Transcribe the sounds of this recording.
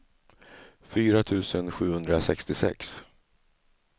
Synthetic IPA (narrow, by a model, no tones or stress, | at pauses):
fyːɾat̪ʰʉ̟ːsənɧʉ̟ːhɵnd̪ɾasɛkst̪ɪsɛ̰ks